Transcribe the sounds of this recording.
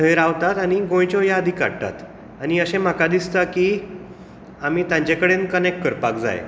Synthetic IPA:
ʈəjɾaʋt̪at̪aɽ̃iɡõj̃t͡ɕɔjaəd̪ʱika̰ɽt̪a̰t̪ | añiəɕẽm̤akad̪ist̪aki | am̤iːt̪jãɲt͡ɕekəɽenkənek̚ʈ̚kəɾpakd͡za̰jḛ

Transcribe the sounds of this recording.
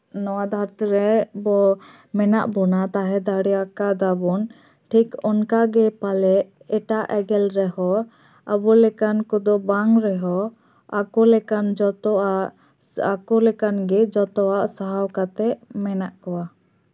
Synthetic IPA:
nɔwad̪ʱaɾt̪iɾɛbɔ | mɛnaʔbɔnat̪aɦɛd̪aɽɛakad̪abɔn | ʈʰikɔnkaɡɛpalɛʔ | ɛʈaʔɛɡɛlɾɛɦɔ | a̰bɔlɛkankɔd̪ɔbaŋɾɛɦɔ | akɔlɛkand͡ʒɔt̪ɔaʔ | akɔlɛkanɡɛd͡ʒɔt̪ɔaʔsaɦawkat̪ɛʔmɛnaʔkɔwa

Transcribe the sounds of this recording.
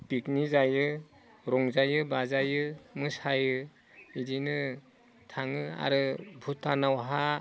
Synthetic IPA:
piknizajɯ | ɾɔŋzajɯbazajɯmɯsajɯ | idinɯ | tʰaŋɯa̰ɾɯbʱutːanawɦa

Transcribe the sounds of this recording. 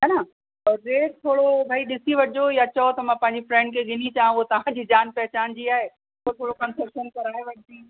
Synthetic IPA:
ɐnã | ɔːɾɾeːʈt̪ʰoːɽobʱaːiɗɪsiʋɐd͡ʑojat͡ɕɐot̪ɐmãpɐ̃ɦɪ̃ɲd͡ʑifɾɛ̃ːɳɖ̚kʰeɡʱɪnit͡ɕaːɦɦot̪ɐʋ̤ãd͡ʑiːd͡ʑaːnpɛɦt͡ɕaːnd͡ʑiaːɦe | ot̪ʰoːɽokɐ̃nsɐpʃənkɐɾaeʋɐɲt̪iː

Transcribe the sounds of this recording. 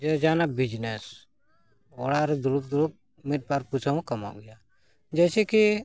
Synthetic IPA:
d͡ʒɛd͡ʒanabid͡ʒnɛs | ɔɽaɾɛd̪uluk̚d̪uluk̚ | mit̪̚ˀbaɾput͡ʃʰaw̃kama̰ʔɡɛja | d͡ʒɛsɛki

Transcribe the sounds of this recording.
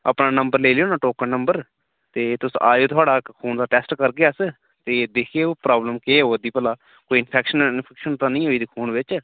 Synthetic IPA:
ə̰pnaːnəmbəɾleːlejõːnaːʈoːkənəmbəɾ | t̪eːt̪ʊsaːd͡ʒoːt̪ʰʊaːɖaːkʰuːnd̪aːʈɛːsʈkəɾɡeas | t̪eːd̪ekʰeːpɾaːbləmkeːoːəd̪iːpəlaː | koːiːɪnpʰɛːkʃənɪnpʰɛːkʃənt̪ãːnəĩːɦoːiːd̪iːkʰuːnʋɪt͡ʃ

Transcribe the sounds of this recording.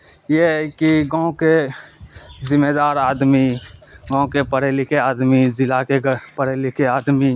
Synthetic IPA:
jeɦkiɡãːõke | zɪmeːd̪aːɾaːd̪miɡãːõkepəɾeːlɪkeaːd̪mizɪlakepəɾeːlɪkeaːd̪mi

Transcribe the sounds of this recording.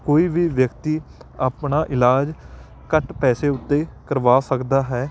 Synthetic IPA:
koːiːʋiːʋjəkt̪iːaːpɳaːʔɪlaːd͡ʒ | kəʈpɛːseːʊt̪ːeːkəɾʋaːsəkd̪aːɦɛː

